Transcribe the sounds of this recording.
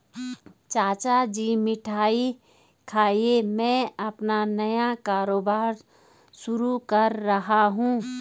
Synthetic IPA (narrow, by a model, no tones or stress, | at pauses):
t͡ʃaːt͡ʃad͡ʒiːmɪʈʰaːi | kʰaːiemɛ̃ːɐpnanɐjakaːɾoːbaːɾ | sʊɾukɐɾːɐɦaɦũː